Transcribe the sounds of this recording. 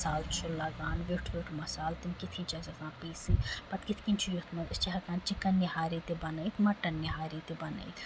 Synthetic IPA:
saːlt͡ʃʰulɐɡaːnʋiʈʰʋiʈʰmɐsaːlt̪imkit̪ʰkĩnt͡ʃʰɐzɐzãːpiːsipɐt̪kit̪ʰkĩnt͡ʃʰujut̪ʰmɐt͡ʃiɦɐkaːnt͡ʃikɐnjɐhaːɾit̪ebɐnəit̪mɐʈːɐnjɐɦaːɾit̪ebɐnɐ̰it̪ʰ

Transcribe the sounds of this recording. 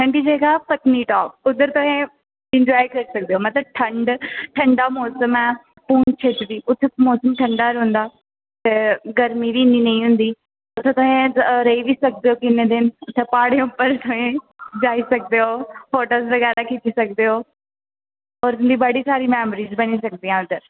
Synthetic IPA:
ʈʰəɳɖiːd͡ʒeːɡaːpət̪niːʈɔːp̚ʊd̪əɾt̪ʊɦẽː | ɪ̃ɲd͡ʒɔːikəɾisək̚d̪eːɦoːmət̪ləb̚ʈʰəɳɖʈʰə̃ɳɖaːmɔːsəmɛ̃ː | puːnt͡ʃʰeːt̪d̪iːʔʊt̪ʰːemɔːsəmʈʰə̃ɳɖaːɾʊ̃nd̪aː | t̪eːɡəɾmiʋiːniːnə̃ĩɦʊ̃nd̪iː | ʊt̪ʰːẽːt̪ʊɦẽːɾəiːʋiːsək̚d̪eːɦoːkɪneːd̪ɪnʊt̪ʰːeːpaːɽeːʊpːəɾt̪ʊẽː | d͡ʒaːisək̚d̪eːɦoːfoːʈoːzʋəɡɛːɾaːkɪt͡ʃiːsək̚d̪eːɦoː | ɔːɾʊnd̪iːbəɽiːsaːɾiːmɛːmɾiːzbəñiːsək̚d̪iːãːʊd̪əɾ

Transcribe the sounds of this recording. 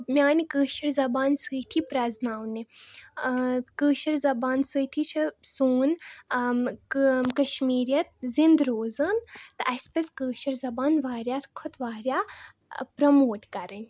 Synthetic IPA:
mʲaːnikəːʃɐɾzɐbaːnsɨːt̪ʰipɾɐznaːwni | kəːʃɐɾzɐbaːnsɨːt̪ʰit͡ʃʰɐsoːn | kɐʃmiːɾʲjɐt̪̚zind̪ɾoːzɐnt̪ɨʔɐsʲpɐskəːʃɐɾzɐbaːnʋaːɾʲjaːɾkʰɔt̪ʋaːɾʲjaː | pɾɐmoːʈkɐɾɨnʲ

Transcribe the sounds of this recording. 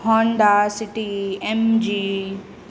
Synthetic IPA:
hɔ̃ːnd̪asɪʈiemd͡ʑiː

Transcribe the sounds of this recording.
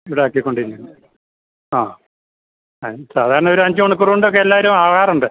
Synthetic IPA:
iʋiɽeoːkːikːo̞ɳɖiɾikʲːunːɨ | aː | saːd̪ʱaːɾɐɳɐo̞ɾuɐɲd͡ʑumoɳuk̬ːuruɳɖokːeelːaːʋɐɾumaːɭaːruɳɖɨ

